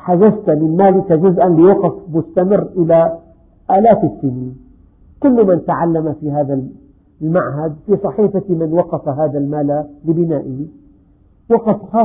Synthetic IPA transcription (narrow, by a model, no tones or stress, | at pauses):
ħad͡ʒast̪mɪnmaːlɪkad͡ʒʊzʔanlɪwɑqɑfmʊst̪amɪrːʔɪla | ʔaːlaːfɪsːɪniːn | kʊlːmant̪aʕalːamafiɦaːðal | lmaʕɦad̪̚fiːsˤɑħiːfamɪnwɑqɑfaɦaːðalmaːlalɪbɪnaːʔɪ | wɑqɑfxɑː